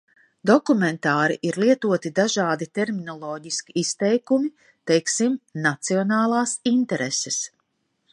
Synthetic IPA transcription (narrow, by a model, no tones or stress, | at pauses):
d̪ɔkumɛnt̪aːɾḭʔiɾlˠiɛt̪uɔt̪id̪aʒaːd̪it̪ɛɾminɔlˠɔːɟiskʲiist̪ɛjkumi | t̪ɛjksimnat̪siɔnaːlˠaːsint̪ɛɾesɛs